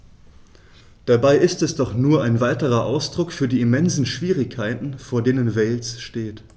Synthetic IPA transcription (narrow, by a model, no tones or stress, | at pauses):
d̥abaɪʔɪstɛsd̥ɔχnuːɐaɪnvaɪtəʁɐʔaʊsd̥ʁʊkfyːɐdiːɪmɛnzn̩ʃv̥iːʁɪkʰːaɪtn̩foːɐdeːnənvɛɪlsʃteːt